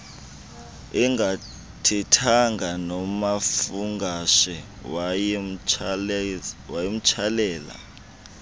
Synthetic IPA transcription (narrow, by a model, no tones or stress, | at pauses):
ɛŋɡa | tʰɛtʰaŋɡʱanɔmafuŋɡaʃɛ | w | wajem̩t͡ʃʰalɛːla̰